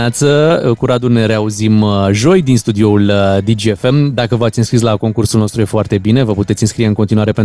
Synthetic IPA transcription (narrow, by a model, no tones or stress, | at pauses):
at̪səəkuɾad̪ulne̞ɾe̞auzimʒo̞jd̪inst̪ud̪io̞uləd̪id͡ʒiefe̞md̪akəvəat̪sʲɨnskɾis̬lako̞ŋkursulnost̪ɾuje̞foart̪e̞bine̞vəput̪et̪sʲɨnskɾije̞ɨŋkont̪inuaɾe̞pen